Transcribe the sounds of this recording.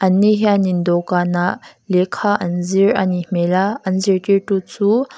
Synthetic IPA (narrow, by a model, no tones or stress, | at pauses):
ʔanːiɦjanind̪okanalekʰaʔanziɹanimelaʔanziɹkeʈut͡su